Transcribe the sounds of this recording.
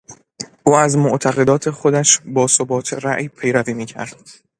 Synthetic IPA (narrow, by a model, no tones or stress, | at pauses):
ʔuːæzmoʔt̪ʰæɣe̞d̪ɒːt̪ʰe̞xo̞d̪æʃbɒːsobɒːt̪ʰeɾæʔjpʰe̞jɾæviːmiːcʰæ̰ɾd̪̥